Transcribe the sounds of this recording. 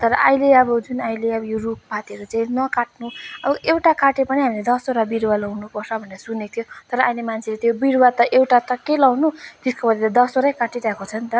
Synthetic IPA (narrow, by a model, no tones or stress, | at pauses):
t̪ʌɾʌʔaileʌbʌd͡zunajleʌbʌjorup̚pat̪eɾot͡saĩnʌkaʈ̚nuʌbʌʔewʈakaʈepʌniɦamiled̪ʌsoɾabiɾwalʌwnupʌrsʰʌbʱʌneɾʌsunet̪ʰjot̪ʌɾʌʔajlemant͡sʰelet̪ʰjobiɾwat̪ʌʔewʈat̪ʌkelʌwnut̪iskobʌd̪et̪ʌd̪ʌsoɾajkaʈiɾakot͡sʰʌnt̪ʌ